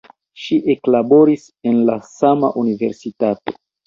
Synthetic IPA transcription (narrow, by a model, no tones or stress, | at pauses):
ʃiʔe̞klabo̞ɾis | e̞nlasama̰ʔunive̞̰ɾsitato̞̰